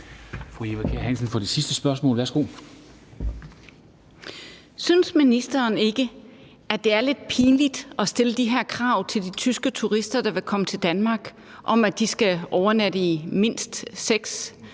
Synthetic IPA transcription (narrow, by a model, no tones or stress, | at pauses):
fʁueʋækʰeɐhæn̰sən̩fɒd̥esisd̥əsb̥ɶɐsmɔ̰̽ːlʋæɐsɡ̥o̝̰ː | synsminisd̥ɐːne̝ɡ̥ə | ʔæd̥e̝æɐle̝d̥̚pʰiːnlid̥ʔɒ̽sd̥e̝ləd̥iɦeɐ̰kʰʁɑ̈ʊt͡sʰe̝ld̥it͡sʰysɡ̥ət͡sʰuʁisd̥ɐd̥ɑ̈ʋe̝kʰɒ̽mət͡sʰe̝ld̥ænmɑ̈ːɡ̥ | ʔɒ̽mæd̥isɡ̥æʔɒʊɐnæd̥əime̝n̰sd̥seɡ̥s